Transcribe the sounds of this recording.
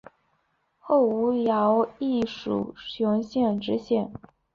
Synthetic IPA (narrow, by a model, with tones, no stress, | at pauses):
xo˥˩ʊu˧˥jɑ˧˥ʊi˥˩ʂṵ˨˩ɕjʊ˧˥ŋɕjɛ˥˩nʈ͡ʂɻ̩˥ɕjɛ˥˩n